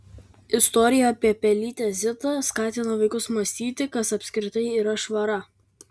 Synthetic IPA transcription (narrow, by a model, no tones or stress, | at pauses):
ɪst̪ɔɾʲɪjɛɐpʲiɛpʲɛlʲiːt̪ʲɛzʲɪt̪ɐˑskɑːt̪ʲɪnɐʋɐɪkʊsmɐsʲt̪ʲiːt̪ʲɪkɐsɐpʲsʲkʲɾʲɪt̪ɐɪiːɾɐʃʋɐɾɐ